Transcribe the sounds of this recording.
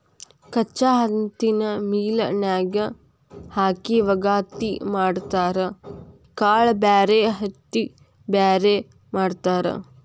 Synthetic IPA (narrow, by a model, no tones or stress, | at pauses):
kɐt͡ʃːaːɦɐnt̪inɐmiːlɐ̰naːɡɐ | haːkiʋɐɡaːt̪imaːɽt̪aːɾɐ | kaːɭɐbaːɾeɦɐt̪ːi | baːɾe | maːɖt̪aːɾḛ